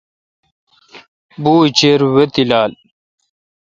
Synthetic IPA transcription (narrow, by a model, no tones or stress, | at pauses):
buːit͡ɕeːɾwet̪ilaːl